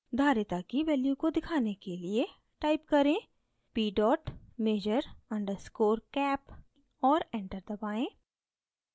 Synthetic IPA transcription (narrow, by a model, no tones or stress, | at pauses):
d̪ʱaːɾɪt̪akiʋɛːljukod̪ɪkʰaːnekelie | ʈaːɪp̚kɐɾẽː | piːɖɔːʈmeːd͡ʒəɾɐ̃ɳɖəɾskoːɾkɛːp | ɔːɾɛ̃ːɳʈəɾd̪ɐbaːẽː